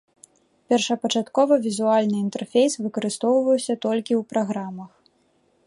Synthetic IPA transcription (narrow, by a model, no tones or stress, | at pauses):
pʲɛrʂɐpɐt͡ʂat̪kɔvɐvʲizualʲnɨint̪ɛrfʲejsvɨkɐɾɨst̪ɔwvɐjwsʲɐt̪ɔlʲkʲiwpɾaɣɾamɐx